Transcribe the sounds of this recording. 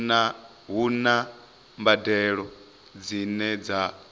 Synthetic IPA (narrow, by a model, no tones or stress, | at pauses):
ɦuna | mbadɛɺɔ | d͡zinɛd͡za